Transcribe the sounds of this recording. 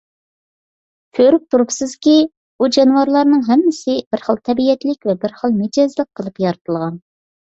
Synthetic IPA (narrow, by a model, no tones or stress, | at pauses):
kʲʰøɾyp̚t̪ʰuɾupsɨz̥kʲi | ud͡ʒɑnwɑɾlˠɑɾnɨŋɦɛmːɪsɪb̥ɪɾχəlˠt̪ʰɛbijɛt̪lɪkʲvɛbɪɾχəlˠmed͡ʒɑzlˠəq̚qʰːəlˠɨpjɑɾɨt̪ʰɨlˠʁɑn